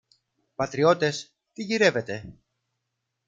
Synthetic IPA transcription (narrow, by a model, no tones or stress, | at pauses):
pɐt̪ɾio̞t̪e̞s | t̪iʝiɾe̞ve̞t̪e̞